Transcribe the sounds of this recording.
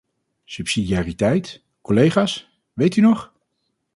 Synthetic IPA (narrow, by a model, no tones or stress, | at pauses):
sɵpsidijaːritɛjt | kɔlejχaːs | ʋejtynɔχ